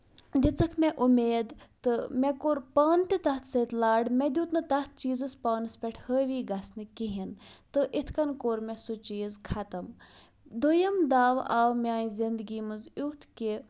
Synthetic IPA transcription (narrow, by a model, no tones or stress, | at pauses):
d̪ʲit͡sɐkʰmɛʔumeːd̪t̪ɨmɛkoːɾpaːnt̪it̪ɐɦt̪ʰsət̪laːɖmɛd̪ʲjuːt̪nɨt̪ɐt̪̚ʰt͡ʃiːzɨspaːnɨspʲɛʈʰhəːʋiːɡɐsnɨkiɦint̪ɨʔit̪ʰkɐnkoːɾmɛsut͡ʃiːzkʰɐt̪ɐm | d̪ujɐmd̪aːʋaːwmʲãːĩzind̪ɡiːmɐnzut̪ʰki